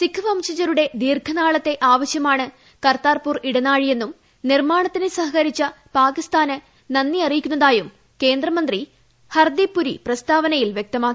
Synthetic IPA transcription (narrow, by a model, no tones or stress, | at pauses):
sikʰːɨʋɐmɕɐt͡ɕːɐɾuɽe̞d̪iːrkʰɐnaːɭɐt̪ːe̞ʔaːʋɐɕjɐmaːɳɨ | kɐrt̪aːrpuriɽɐnaːɻije̞nːum | nirmaːɳɐt̪ːinesɐɦɐkɐɾit͡ɕːɐ | paːkist̪aːnɨ | nɐnːiɐrijikʲːunːɐðaːjum | ke̞ːnd̪rɐmɐnd̪ri | hɐrd̪ipːuɾḭprɐst̪aːʋɐnɐjilʋjek̚t̪ɐmaːkːi